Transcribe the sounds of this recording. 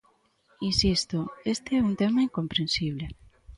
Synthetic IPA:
insist̪oest̪eɛunt̪emɐiŋkompɾẽnsiβ̞le

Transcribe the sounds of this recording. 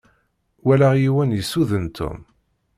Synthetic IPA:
wælæʁjiwænjəsːuðənt̪ʰːṵm

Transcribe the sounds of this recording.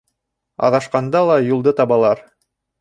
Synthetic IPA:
ɑ̰ʁɑʃqɑnd̪ɑlˠɑjulˠd̪ɤt̪ɑβɑlˠɑɾ

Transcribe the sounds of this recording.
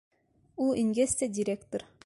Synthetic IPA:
ulˠiŋɡesʲt̪ædʲɪɾʲekt̪oɾ

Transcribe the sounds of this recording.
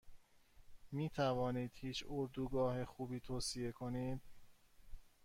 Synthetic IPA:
miːt̪ʰævɒːniːd̪̥hiːt͡ʃʰoɾd̪uːɡɒːhexuːbiːt̪ʰoːsije̞kʰoniːd̪̥̚

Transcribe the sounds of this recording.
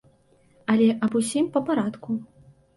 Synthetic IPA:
ɐlʲɛʔɐbusʲimpɐpaɾat̪ku

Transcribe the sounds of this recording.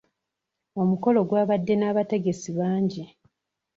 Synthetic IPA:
o̞muko̞lo̞ɡwaːβadːe̞naːβate̞ɡe̞siβaːɲɟi

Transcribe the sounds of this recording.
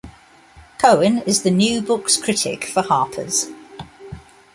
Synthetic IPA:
kʰəʊɪ̃nɪzðənjʉːbʊkskʰɹ̥ɪtʰɪ̰kfəhɑˑpʰə̰z̥

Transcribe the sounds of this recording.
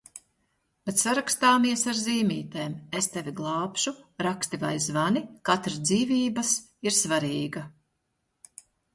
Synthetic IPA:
bet̪saɾakst̪aːmiɛsaɾziːmʲiːt̪eːmest̪evʲiɡlˠɑːpʃuɾakst̪ivajzvanikat̪ɾsd̪ziːvʲiːbɐs | iɾsvaɾiːɡɐ

